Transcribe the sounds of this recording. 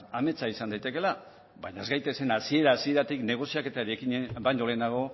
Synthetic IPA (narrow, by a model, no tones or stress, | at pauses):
ame̞t͡saisand̪ajt̪e̞ke̞la | baɲaezɣɡajt̪e̞se̞nasie̞ɾaːsie̞ɾat̪ikne̞ɣ̞o̞siake̞t̪aɾiekiɲebajnd̪o̞lenaɣ̞o̞